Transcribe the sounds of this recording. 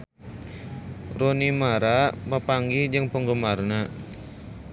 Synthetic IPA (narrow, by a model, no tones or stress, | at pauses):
ronimaɾapapaŋɡid͡ʒəŋpəŋɡəmarna